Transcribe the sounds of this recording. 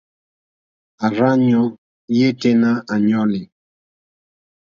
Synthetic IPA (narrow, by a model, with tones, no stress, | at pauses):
a˨ɾa˦ɲɔ˦ | je˦te˦na˦a˨ɲɔ˦lɪ˨